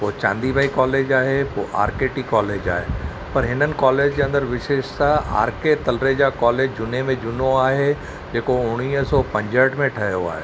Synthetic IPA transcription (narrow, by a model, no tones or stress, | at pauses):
poːt͡ɕã̰ːnd̪ibʱaːikɔːleːd͡ʒaːɦepo̰ːʔa̰ːɾkeːʈikɔːleːd͡ʑa̰ːɦeː | pɐɾɦɪnənɪ̆kɔːleːd͡ʑd͡ʑeɐ̃nd̪əɾʋɪʃeːʃt̪aa̰ːɾket̪ɐlɾeːd͡ʑakɔːleːd͡ʑd͡ʒʊnemẽd͡ʑʊnoaːɦe | d͡ʑeːkoʊɽ̃iːsɔːpɐ̃ɲd͡ʑəʈmẽʈʰɐɦjoa̰ːɦḛː